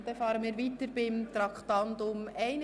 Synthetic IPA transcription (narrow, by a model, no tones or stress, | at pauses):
d̥̪ɛfɑːɾənmiːɾʋiːtəɾbɪmt̪ɾɑkt̪ɑnt̪ʊmæɪn